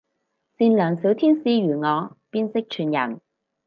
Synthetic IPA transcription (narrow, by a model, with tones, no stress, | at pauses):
siː˧nlœː˨˩ŋsi˨˥wt̪ʰiː˥nsiː˧jyː˨˩ŋɔː˨˧piː˥nsɪ˥k̚t͡ʃʰyː˨˩njɐ̰˨˩n